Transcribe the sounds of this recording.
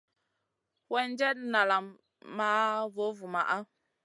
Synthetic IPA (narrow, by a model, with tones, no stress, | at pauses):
wɛ˦n˦d͡ʒɛ˦tna˨la˨mː | a˦vo˨˦vu˨ma̰˨ʔa˦